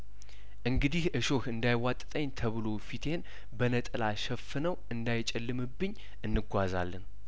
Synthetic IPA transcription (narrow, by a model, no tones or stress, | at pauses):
ʔɨŋɡɨd̪ihʔɨʃo̞hɨnd̪ajwat̪ʼt̪ʼəɲːt̪ʰəβɨlo̞fit̪ʰe̞n | bənət̪ʼɨlaʃɛfːɨnəwɨnd̪ajɪt͡ʃʼɛlːɨmɨbːɨɲː | ɨnːɨɡʷaza̰lːɨn